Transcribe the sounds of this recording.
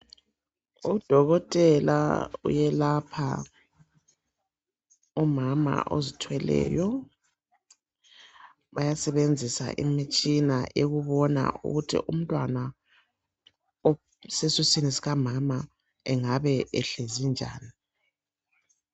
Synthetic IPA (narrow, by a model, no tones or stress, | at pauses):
ud̥ʱɔɣɔtʼɛla̰ṵjɛlapʰa̰ | umama̰ʔo̰zitʰwɛlɛ̰ːjɔ | βajasɛβend͡zʱisa̰ʔimit͡ʃʼinaʔeɣuβɔna̰ʔṵɣutʰḭʔum̩tʼwana | sesusinisiɣamama | ɛŋaβɛʔɛɬezind͡ʒʱa̰ːni